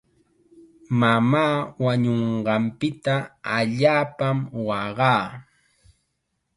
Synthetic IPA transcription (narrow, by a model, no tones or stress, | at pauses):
mamaːwaɲoɴɢɑmpɪt̪aaʎaːpamwɑɢɑː